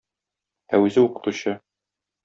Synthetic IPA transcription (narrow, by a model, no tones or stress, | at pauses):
æwɘzɘuqɤ̆t̪uɕɤ